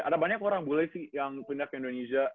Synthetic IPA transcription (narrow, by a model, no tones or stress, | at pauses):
ʔadabaɲakoɾaŋbulɛjsɪhjaŋpindak̚indonesia